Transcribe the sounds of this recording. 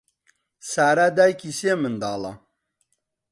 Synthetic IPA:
saːɾad̪aːjkisemɨnd̪aːla̰

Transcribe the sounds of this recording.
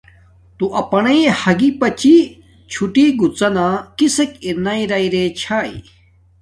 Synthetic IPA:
t̪uʔɐpɐnɐjhɐɡipɐt͡ɕi | t͡ɕʰuʈiɡut͡sɐnakisekiɾnaiɾɐiɾet͡ɕʰaːḭ

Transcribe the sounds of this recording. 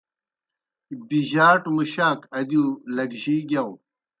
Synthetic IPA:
biʑaːʈmuɕaːkɐd̪ulɐɡʑiɡʲɐw

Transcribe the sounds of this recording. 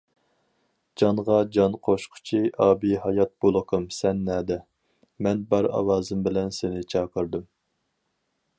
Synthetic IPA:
d͡ʒɑɴʁɑd͡ʒɑnqʰoʃqʰʊ̥t͡ʃʰiʔɑːbiɦɑjɑt̪̚b̥olˠəqʰəmsɛnːɛːd̪ɛ | mɛnbɑɾɑ̰wɑːzɨmbɪlɛnsenɪt͡ʃʰɑːqəɾd̪ɨm

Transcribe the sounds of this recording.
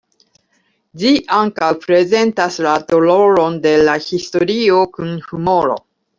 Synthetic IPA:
d͡ʒiʔaŋkawpɾe̞ze̞ntaslato̞lo̞ɾo̞nde̞lahisto̞ɾio̞kunhumo̞ɾo̞̰

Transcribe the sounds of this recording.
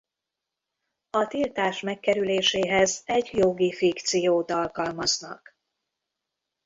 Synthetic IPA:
ɒt̪ilt̪aːʃmɛkːɛɾyleːʃeːɦɛzɛɟjoɡifikt̪sijoːt̪ɒlkɒlmɒznɒ̰k

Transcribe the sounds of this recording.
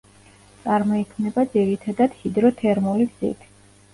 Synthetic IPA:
tt̪sʼaɾmɔikʰmnɛbad̪ziɾit̪ʰad̪ad̪̥hid̪ɾɔt̪ʰɛɾmuliɡz̥ḭp̪ʰi̥

